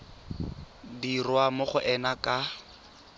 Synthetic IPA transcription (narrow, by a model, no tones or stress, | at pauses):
dirwamʊχʊʔɛnakʼa